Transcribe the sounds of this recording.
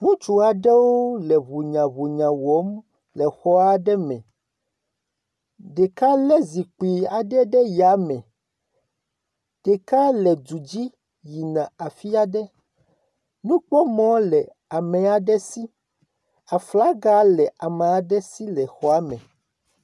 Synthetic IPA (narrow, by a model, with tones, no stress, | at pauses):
ŋũ˦t͡ʃu˨a˨ɖɛ˦wo˦lɛ˨βu˨ɲã˨βu˨ɲã˨wɔ˨˦m | lɛ˨xɔ˦a˦ɖɛ˦mɛ̰̃˨ | ɖe˨ka˦lɛ˦zi˨k͡pi˨a˨ɖɛ˦ɖɛ˦ja˨˦mɛ̃˨ | ɖ̥ɛ˨ka˦lɛ˨d͡ʒu˨d͡ʑi˦ | ji˨nã˨a˨fi˦a˦ɖɛ˦ | nũ˦k͡pɔ˦mɔ̃˦lɛ˨ | a˨mɛ̃˨a˨ɖɛ˦si˦ | a˨fla˦ɡa˦lɛ˨ʔa˨mẽ˨a˨ɖɛ˦si˦lɛ˨xɔ˦a˦mɛ̰̃˨